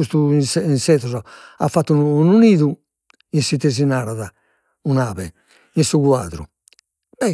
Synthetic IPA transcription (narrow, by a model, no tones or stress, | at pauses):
ust̪usɛinsɛt̪ɔzɔa̰fːat̪ːunununiːðu | insit̪ez̬inaːɾaða | unaːβɛ | insuɣwaːðɾṵ | bɛ